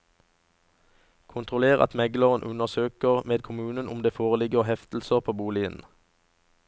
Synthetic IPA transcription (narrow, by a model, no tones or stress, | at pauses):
kʰʊnt̪ʁʊleːʁɑ̰t̪mɛɡləʁənʔʉnəʁsøːkəʁmeːd̪̚kʰʊmʉːnənʔʊmd̪eːfoːʁəlɪɡəʁhɛft̪l̩səʁpʰoːbuːliə̰n̩